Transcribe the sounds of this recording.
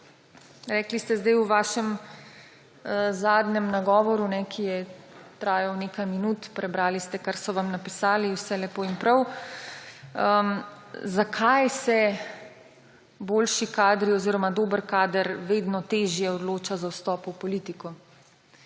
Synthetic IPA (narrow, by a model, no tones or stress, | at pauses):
ɾɛːklist̪ɛzd̪ajwʋaːʃɛm | zaːd̪nɛmnaɡɔːʋɔɾunɛkʰijɛt̪ɾaːjawnekajminut̪pɾɛbɾaːlist̪ɛkaɾsɔʋamnapisaːliwsɛlɛpoːimpɾɐw | əmzakʰajsɛ | boːlʃikaːd̪ɾiɔziɾɔmad̪oːbəɾkaːd̪əɾʋeːd̪nɔt̪eːʒjɛɔd̪loːt͡ʃazawst̪ɔːpwpɔliːt̪ikɔ